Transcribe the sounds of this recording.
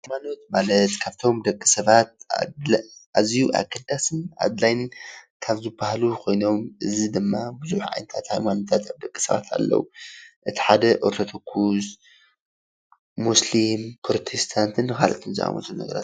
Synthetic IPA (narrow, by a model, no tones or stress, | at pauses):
hajmano̞t̪̚malɐt̪kʰaβt̪ʰo̞md̪ɐkʼːɨ̥sɐβat̪̚a̰ʔazijuʔa̰ɡɐd̪asɨna̰d̪lajnkʰaβzɨbahlukʰo̞jno̞mʔɨzid̪ɨmːabɨzuħʕa̰jnɐt̪ʰat̪hajmano̞t̪ʰat̪aβd̪ɐkʼːɨ̥sɐβa̰t̪ʰa̰lːɐ̰wuʔɨt̪ʰi̥ħad̪ɐʔoɾt̪ʰɐt̪ʰɐkʰːus | uslimpʰɾot̪ʰest̪ʰant̪ʰɨnkʰa̰lɐ̰t̪ʰomzɨ̰ʔa̰mo̰t̪ʰulunɐ̰ɡɐ̰ɾa̰t̪